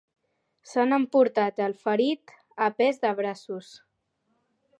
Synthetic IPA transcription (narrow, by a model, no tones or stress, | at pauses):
sanəmpuɾt̪at̪əlˠfəɾit̪ | əpezðəβɾasus